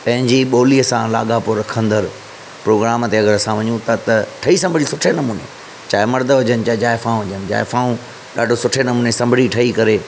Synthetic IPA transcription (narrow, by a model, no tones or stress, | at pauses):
pɐ̃ɦɪ̃ɲd͡ʑiɓoːliəsãla̰ːɠapʊɾɐkʰə̃nd̪əɾ | pɾoːɡɾaːmt̪eɐɡəɾɐsãʋɐɲũt̪ɐt̪ɐʈʰɐisɐ̃mbʱɪɽisʊʈʰenɐmuːnḛ | t͡ɕaːɪmɐɾd̪ʱəɦʊd͡ʑənɪ̆t͡ɕaːɪd͡ʑaːefãːũɦʊd͡ʑənɪd͡ʑa̰ːefãːũ | ɗaːɖʱosʊʈʰenɐmuːnesɐ̃mbʱɪɽiʈʰɐikɐɾeː